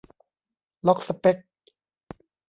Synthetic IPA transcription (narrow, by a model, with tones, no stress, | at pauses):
lɔ˦˥k̚sa˨˧pe˦˥k̚